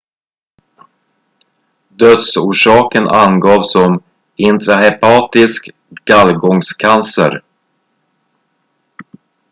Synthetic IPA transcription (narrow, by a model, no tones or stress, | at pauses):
d̪œt̪suːʂɑːkənʔa̰nɡɑːvsɔm | ɪnt̪ʰɾaɦɛpʰɑːt̪ɪsk | ɡ̥alɡɔŋskʰansə̰ɾ